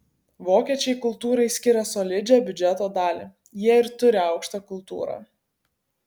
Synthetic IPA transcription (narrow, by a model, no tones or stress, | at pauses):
ʋoːkʲiɛt͡ʃʲɛɪkʊlˠt̪uːɾɐɪsʲkʲɪɾʲɛsɔːlʲɪd͡ʒʲɛːbʲʊd͡ʒʲɛt̪oːd̪ɑːlʲḭ | jiɛɪɾt̪ʊɾʲɪɐɒʊkʃt̪ɐkʊlˠt̪ṵːɾɑ̰ː